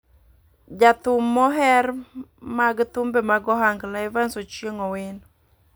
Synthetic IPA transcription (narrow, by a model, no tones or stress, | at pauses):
d͡ʒat̪ʊmːɔɦɛrmaɡt̪ʊmbemaɡɔɦaŋɡlaɪvansot͡ʃjeŋɔwɪn